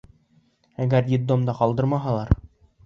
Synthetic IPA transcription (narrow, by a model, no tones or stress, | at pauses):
æɡæɾjit̪ːomd̪ɑqɒlˠd̪ɤɾmɑɦɑlˠɑɾ